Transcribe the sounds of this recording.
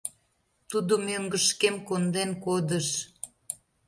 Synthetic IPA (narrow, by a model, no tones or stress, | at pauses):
t̪ud̪omøŋɡəʃkemkond̪enkod̪əʃ